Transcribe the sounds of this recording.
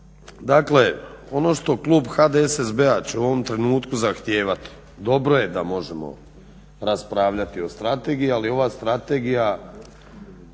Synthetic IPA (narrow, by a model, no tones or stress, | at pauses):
d̪akle̞o̞no̞ʃt̪o̞klˠuːbxad̪eesezbeat͡ɕeuo̞ʋo̞mt̪ɾe̞nuːt̪kuzaxt̪jeːʋat̪i̥ | d̪o̞bɾo̞je̞d̪amo̞ʒe̞mo̰ | ɾaspɾaːʋʎat̪io̞st̪ɾat̪e̞ɡijialio̞ʋaːst̪ɾat̪e̞ɡija